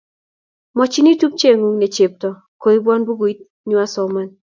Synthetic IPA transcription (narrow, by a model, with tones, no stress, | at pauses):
mɔ˨t͡ʃi˦ni˦tu˦p̚t͡ʃe˦ŋu˨ŋne˨t͡ʃe˨p̚tɔ˨ | ko˨i˦bwɔ˦nbu˦ɡo˨i˦t̚ | ɲwa˦sɔ˨ma˦n